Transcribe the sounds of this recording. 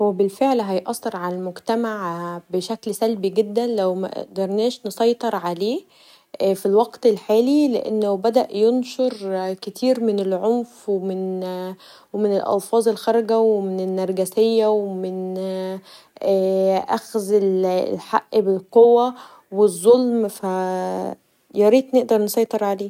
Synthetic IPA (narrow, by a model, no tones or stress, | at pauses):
howæbelfeʕlɦɑjʔɑsˤːeɾˤʕalælmoɡt̪æmaʕbeʃæklsælbiɡed̪ːænlæwmæ̰ʔḛʔd̪ɑɾˤnæːʃnesˤɑjt̪ˤɑɾˤʕaleː | filwɑɡt̪elħaːlileʔḛnːæwbæd̪æʔjonʃoɾˤket̪ʰiːɾmenelʕomfwemen | wemenelʔɑ̰lfɑːzˤelxɑɾˤɑɡæwemenenːæɾˤɡæsejːæwemɪn | ʔːʔæxzel̰lħaʔːbelqowːæ | wezˤːolmfæ | jɑɾiːt̪ˤneʔd̪ɑɾˤnsˤɑjt̪ˤeɾˤʕaleː